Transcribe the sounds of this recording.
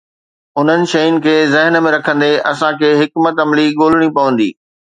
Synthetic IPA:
ʊn̤ənɪ̆ʃɐjʊnɪ̆kʰeːzɪɦnmẽɾɐkʰə̃nd̪eʔɐsãkʰeːɦɪkmət̪ɐmliɠoːl̤ɪɽ̃ipɐʋə̃nd̪ḭː

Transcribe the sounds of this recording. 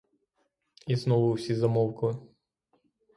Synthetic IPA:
iznɔʋʊʊsʲizɐmɔwkɐlˠɪ

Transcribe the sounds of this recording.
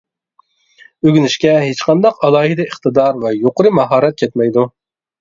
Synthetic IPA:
øɡʲynɪʃkʲɛɦet͡ʃqʰɑnd̪ɑqɑlˠɑːhɪd̪ɛiχt̪ɨd̪ɑɾvɛjoqəɾɨmɑɦɑːɾɛt̪̚kʲʰɛt̪mɛjd̪u

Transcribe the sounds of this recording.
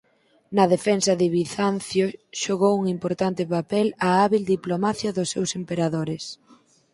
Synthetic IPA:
nɐðefɛnsɐðɪβiθanθjoʃoɣowuŋimpoɾt̪ant̪ɪpapɛlaaβild̪iplomaθjɐðʊsːewsempeɾaðoɾɪs

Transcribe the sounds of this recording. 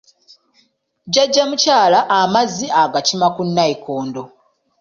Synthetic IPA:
ɟaɟːamucaːlaʔːmazːiaɡacimakunːaiko̞ːndo̞

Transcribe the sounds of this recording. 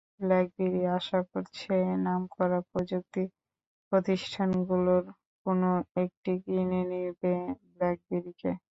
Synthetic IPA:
blɛk̚beɾiaʃakoɾt͡ɕʰenamkɔɾapɾod͡ʑuk̚t̪i | pɾot̪iʃʈʰanɡuloɾ | konoek̚ʈiɡinenibeblɛk̚beɾike

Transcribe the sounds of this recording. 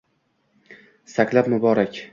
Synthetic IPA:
sakʲlapmʊbɒɾakʲ

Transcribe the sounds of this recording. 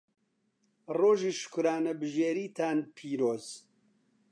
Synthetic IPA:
roːʒiːʃʊ̥kʊɾaːnɐbɨʒeːɾiːt̪ʰaːnpʰiːɾoːz̥

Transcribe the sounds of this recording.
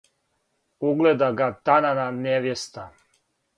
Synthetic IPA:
uɡled̪aɡat̪anananeʋjest̪a

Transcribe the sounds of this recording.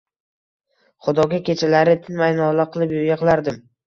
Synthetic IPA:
χʊd̪ɒɡʲakʲe̞t͡ʃʰalaɾɪt̪ʰɪnmajnɒlaqʰɨlˠɪpjʊɡʲaqlˠaɾd̪ɪm

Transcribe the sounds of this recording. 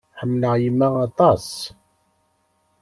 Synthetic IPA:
ħəmːləʁjəmːaʁɑt̪ˤɑs

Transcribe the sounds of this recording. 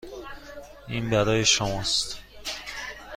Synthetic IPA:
iːnbæɾɒːjeʃomɒːst̪

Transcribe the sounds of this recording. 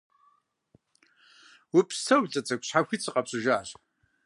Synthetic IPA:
wʊpʰʼsɐwɮʼɐt͡sʼɐkʷɕħaxʷit͡sʰɨqʼɐpɕʼɨʒaːr

